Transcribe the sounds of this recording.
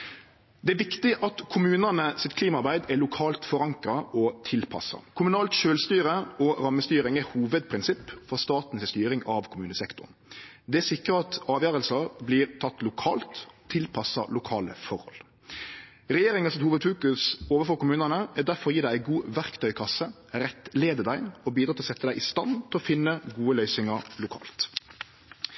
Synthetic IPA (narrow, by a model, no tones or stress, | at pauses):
d̪ɛæːʋɪkt̪ɪʔɑt̪kʰʊmʉːnənəsɪt̪kʰliːmɑɾbæɪd̪ɛlʊkʰɑːlt̪fɔɾɑŋkɾɑɔt̪ʰɪlpʰɑ̰sɑ̰kʰʊmʉnɑːlt̪ʃøːlst̪yːɾəɔɾɑmːəst̪yːɾɪŋɛhuːʋəd̪̚pʰɾɪnsɪpːfɔʁst̪ɑːt̪n̩sɪst̪yːɾɪŋɑʋkʰʊmʉːnəsɛkt̪ʊ̰nd̪ɛæsɪkːɾəɑt̪ɑːʋjøːɾəlsɑbliːʁt̪ʰɑt̪ːlʊkʰɑːlt̪ʰː | ɪlpʰɑsɑ̰lʊkʰɑːlə̰fɔɾhɔ̰l | ɾɛjeːɾɪŋɑsɛt̪huːʋəd̪fʉːkʉsoːʋəfɔːɾkʊmʉːnənəæd̪æɾfɔɾɔjiːd̪æɪæɪɡuːʋæʁkt̪ʰœʏkʰɑsːə | ɾɛt̪ːleːd̪əd̪æɪɔbiːd̪ɾɑt̪ɪlɔsɛt̪ːəd̪æɪʔɪst̪ɑnt̪ʰɪlɔfɪnːəɡuːəlœʏsɪŋɑɾlʊkʰɑ̰ːlt̪